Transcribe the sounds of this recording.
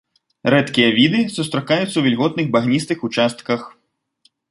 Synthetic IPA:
ɾɛt̪kʲijɐvʲid̪ɨsust̪ɾakajut̪sːɐwvʲilʲɣɔt̪̚nɨɣbaɣnʲist̪ɨxut͡ʂast̪kɐx

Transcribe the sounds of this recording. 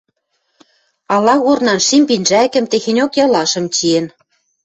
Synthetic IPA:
ɑlɑɣornɑnʃimʲpinʒækɘ̆mt̪exenʲokjɑlɑʃɤ̆mt͡ɕien

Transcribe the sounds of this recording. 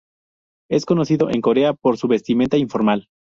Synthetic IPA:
e̞sko̞no̞siðo̞ʔe̞ŋko̞ɾe̞apo̞ɾsuβe̞st̪iment̪aiɱfo̞ɾmal

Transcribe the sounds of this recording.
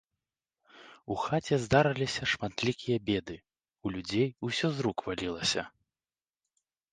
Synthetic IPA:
uxat͡sʲɛzd̪aɾɐlʲisʲɐʂmat̪lʲikʲijɐbʲɛd̪ɨ | ulʲud͡zʲejusʲɔzɾukvalʲilˠɐsʲɐ̰

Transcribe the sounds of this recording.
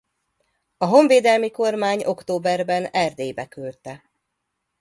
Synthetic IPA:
ɒɦo̞ɱveːd̪ɛlmiko̞rmaːɲo̞kt̪oːbɛrbɛnɛrd̪eːjbɛkølt̪ɛ

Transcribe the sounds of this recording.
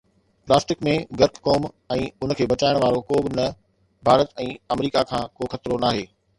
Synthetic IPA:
plaːsʈɪkmẽɡɐɾkkoːm | ɛ̃ːʊnə̆kʰeːbɐt͡ɕaːɪɽ̃ʋaːɾokoːbɪnɐ | bʱaːɾət̪ɛ̃ːɐmɾiːkakʰãːkoːxɐt̪ɾonaːɦeː

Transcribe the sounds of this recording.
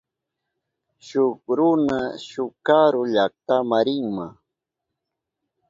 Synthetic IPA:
ʃʊkɾʊnaʃʊkaɾʊʎak̚t̪amaɾɪŋma

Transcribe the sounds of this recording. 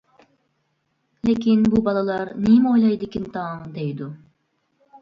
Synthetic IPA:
lʲekʰʲinbubɑlˠɑlˠɑɾnijmojlˠɑjd̪ɯkʲint̪ʰaːmd̪ejd̪u

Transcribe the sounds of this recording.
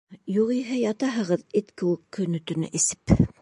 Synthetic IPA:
juʁiɦɘjɑt̪ɑɦɤ̆ʁɤðet̪kɘ̆wɘkːɵ̆nɵ̆t̪ɵ̆nɘ̰ʔisɘ̥p

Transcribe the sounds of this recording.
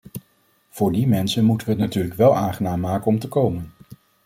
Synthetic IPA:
v̥ʊːɹdimɛnsənmutəʋəɦətnatyːɹləkʋɛlˠʔaːŋχənaːmːaːkənɔmtəkowmən

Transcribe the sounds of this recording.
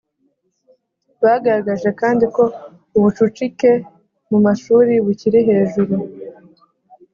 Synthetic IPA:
βaːɡaɾaɡaʒe̞kaːndiko̞ | uβut͡ʃut͡ʃike̞ | mumaʃuːɾiβuciɾiɦe̞ːʒuɾu

